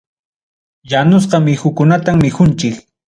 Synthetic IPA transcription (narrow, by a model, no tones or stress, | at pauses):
janʊs̬qɑmɪxʊkʊnat̪ammɪxʊnt͡ʃɪk